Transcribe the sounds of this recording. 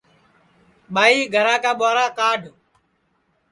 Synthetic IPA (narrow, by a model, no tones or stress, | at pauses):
ɓaːiːɡʱəɾãːkaːɓoːɾãːkaːɖʱ